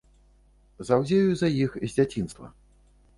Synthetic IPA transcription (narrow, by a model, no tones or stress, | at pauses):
zawzʲejuzɐjixzʲd͡zʲat͡sʲinst̪vɐ̰